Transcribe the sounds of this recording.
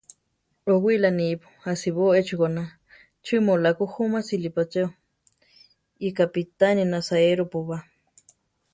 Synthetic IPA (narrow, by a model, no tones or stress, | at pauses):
oɡʷilanipu̥asiβoet͡ʃukona | t͡ʃʰimolakuhumasilipat͡ʃew | ikapit̪aninasaeɾupuβa